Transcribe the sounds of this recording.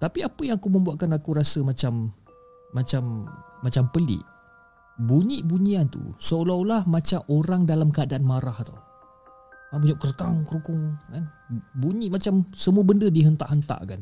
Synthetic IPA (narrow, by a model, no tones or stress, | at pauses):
t̪apiapəjaŋakumə̃mbuaʔ̪̚kanakuɾasəmat͡ʃamː | at͡ʃamːat͡ʃampəlɪ̰ʔ | buɲiʔbuɲiant̪ṵsəolawlahmat͡ʃamʔoɾaŋdalamkəadaʔanmaɾaht̪a̰w | mabuɲɔʔ̚kərkaŋkəɾukʊŋkan | buɲĩʔmat͡ʃamsəmuəbəndədiɦənt̪aʔɦənt̪a̰ʔka̰n